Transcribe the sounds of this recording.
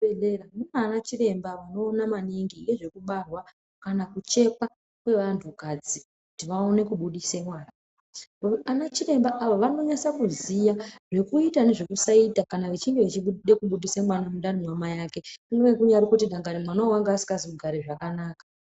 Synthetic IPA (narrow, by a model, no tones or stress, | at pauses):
eramunanat͡ʃire̞mbaʋano̞ːnamaniŋɡije̞ʐe̞kuɓarwa | kanakut͡ʃe̞pa | kwe̞ʋantʰukad͡zi | kutiʋao̞ne̞kuɓuɗisemwaːna | anat͡ʃire̞mbaʔaʋoʋano̞ɲasakuzijaʐe̞kuitane̞ʐe̞kusaitakanaʋet͡ʃiŋɡeʋet͡ʃiɓuɗe̞kuɓuɗisemwanamunɗanimwamajake̞uŋɡeʋekuɲaɾikutiɗaŋɡaɾimwanauwaŋɡeasi̥kaziuɡʱaɾeʐakanaːkḁ